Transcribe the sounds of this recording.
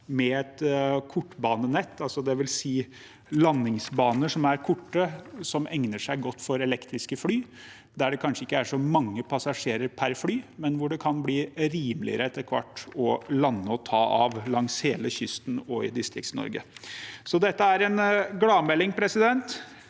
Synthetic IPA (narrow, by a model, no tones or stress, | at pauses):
mɛɛt̪kʰʊʈːbɑːnənɛt̪ːɑlsɔd̪ɛʋɪlsiː | lɑnːɪŋsbɑːnəʂɔmæɾkʰʊʈːəsɔmʔɛŋnəʂæɪɡɔt̪ːfɔɾɛlɛkt̪ɾɪskəflyː | d̪æɖɛkʰɑnʂəɪkːəæʂɔmɑŋːəpʰɑsɑʂeːɾəɾpʰæɾflyːmɛnʋʊɖɛkʰɑnbliːɾiːmlɪ̰əɾəɛt̪ːəɾkʰʋɑ̰ʈːɔlɑnːəɔt̪ʰɑːʔɑ̰ʋlɑŋsheːləçʏst̪n̩ɔɪ̰d̪ɪst̪ɾɪkt̪snɔ̰ɾɡə̰sɔd̪ɛt̪ːəæɾɛnɡlɑːmɛlːɪŋpʰɾɛsɪd̪ɛnt̪